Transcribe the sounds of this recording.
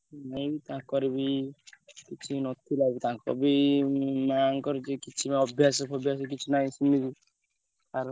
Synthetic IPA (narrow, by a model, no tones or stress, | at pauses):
naĩbit̪ããkɔɾibi | kit͡ʃʰinɔt̪ʰilabit̪ããkɔ̰bi | maŋkɔɾet͡ʃekit͡ʃʰimaɔbʱjasɔkʰɔbʱjas̬k̬it͡ʃʰinaĩsunibi | aɾ